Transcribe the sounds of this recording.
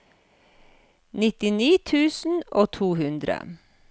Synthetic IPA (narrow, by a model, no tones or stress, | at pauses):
nɪt̪ɪniːt̪ʰʉːsn̩oːt̪ʰuːhʉnd̪ɾə̰